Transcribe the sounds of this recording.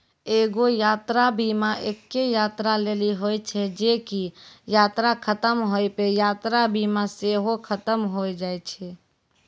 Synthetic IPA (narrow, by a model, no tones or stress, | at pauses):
eɡojat̪ɾabʱimaʔekːejat̪ɾaleliɦojt͡ʃʰɛd͡ʒekijat̪ɾakʰət̪əmɦojpejat̪ɾabʱimaseɦokʰət̪əmɦojd͡ʒajt͡ʃʰɛ